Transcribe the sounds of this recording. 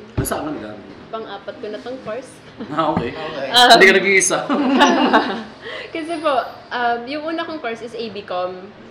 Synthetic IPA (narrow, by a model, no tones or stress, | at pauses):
kɐsaɐnlɐnɡa̰mpɐŋʔaːpɐt̪̚konɐt̪oŋkoɹs | aʔokejʔɐd̪ikɐnɐɡiʔsɐ | kɐs̬ɛpoʔɐmjʊŋʔuːnɐkoŋkoɹsɪsʔejbikom